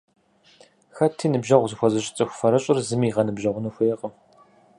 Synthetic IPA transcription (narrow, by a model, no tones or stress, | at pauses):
xɐtʰiːnɨbʒɐʁʷzɨxʷɔzɐɕʼɪ̥t͡sʼɨxʷʊfɐɾɐɕʼɪrzɨmiːʁɐnɨbʒɐʁʷʊnuxʷʊjɛqʼəm